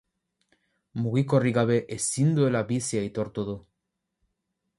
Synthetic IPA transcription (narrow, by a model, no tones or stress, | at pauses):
muɣikoriɣaβeʔesind̪uelaβisjajt̪oɾt̪oðu